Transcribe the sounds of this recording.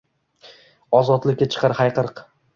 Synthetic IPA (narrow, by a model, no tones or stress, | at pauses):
ɒzɒt̪lɪkʲːat͡ʃʰɨ̥qʰɑɾhajqɨɾq